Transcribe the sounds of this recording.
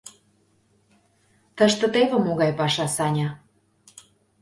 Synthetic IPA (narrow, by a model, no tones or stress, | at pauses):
t̪əʃt̪ə̆t̪eβə̆moɣɑjpɑʃɑsɑnʲɑ